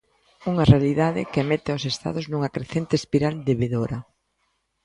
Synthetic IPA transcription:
uŋarealiðaðɪkemet̪ɪosest̪a̰ðʊznuŋakɾeθent̪espiɾald̪eβeðoɾa

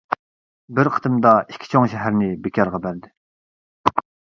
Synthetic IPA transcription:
bɪɾqʰə̥t̪ʰɨmd̪ɑikʲʰːi̥t͡ʃʰoŋʃɛɦæɾnɪbekʲʰɑɾʁɑbæɾd̪ɪ

